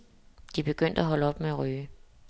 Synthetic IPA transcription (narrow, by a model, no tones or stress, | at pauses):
d̥ib̥e̝ɡ̥øn̰d̥æɦɒ̽ləɒ̽b̥meæʁyː